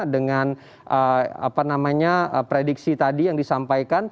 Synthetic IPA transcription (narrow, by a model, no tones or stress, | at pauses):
dəŋan | ʔəa̰panamaɲaəpɾediksit̪adijaŋdisampajkan